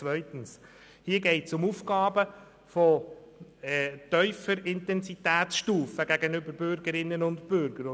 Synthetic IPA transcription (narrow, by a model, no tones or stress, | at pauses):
t͡sʋœʏtən̩s | hiːəɡɛɪtsʊmufɡɑːbə | fɔ | t̪œʏfəɾɪntɛnsit̪æːtsʃtuːfəɡæɡənʏbəɾbʏɾɡəɾɪnːənʊntbʏɾɡəɾ